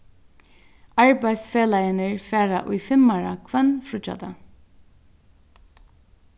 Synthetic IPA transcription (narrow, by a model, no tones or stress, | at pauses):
aɹbaj̪sfeːlajɪnəɹfæːɾa̰ʔʊjfɪmːaɹakʰvɛnfɾʊt͡ʃa̰t̪a